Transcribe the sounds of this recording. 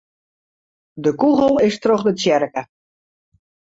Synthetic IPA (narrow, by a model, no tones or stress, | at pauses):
dəkuɣəlˠɪstroχdətt͡sjɛrkə